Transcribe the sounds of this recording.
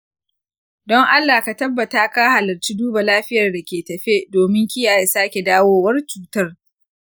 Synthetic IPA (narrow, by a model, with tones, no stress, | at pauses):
dɔ˦ŋʔa˦lːaː˨ka˨tɐ˦bːɐ˨taː˦ka˦ha˨lɐ˨rt͡ʃi˦duː˦ba˨laː˦ɸɪ˦jɐ˨rda˨kʲeː˨tɐ˨ɸe˦doː˨mɪ˦ŋkʲɪ˦jaː˨ja˨saː˦kʲe˨daː˦woː˦wɐ˦rt͡ʃuː˦tɐ˦r